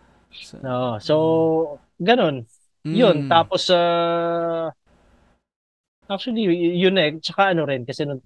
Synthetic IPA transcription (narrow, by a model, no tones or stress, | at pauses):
ʔoʔoso | ɡɐno̞n | jʊnt̪aːposa | ʔak̚t͡ʃuɐlijʊnɛt͡ʃɐkaʔɐnoɾɪnkɐsɛnʊŋ